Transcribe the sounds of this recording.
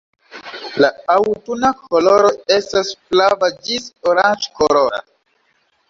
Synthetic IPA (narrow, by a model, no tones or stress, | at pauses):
laawtunakʰolo̞ɾo̞e̞stasflavad͡ʒisoɾant͡ʃkoloɾa̰